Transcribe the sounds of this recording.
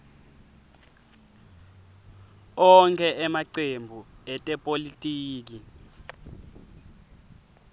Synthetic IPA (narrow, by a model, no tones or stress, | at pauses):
ɔŋkʰɛʔɛmaǀembʱuɛtʼɛpʼolitʼiːk̬i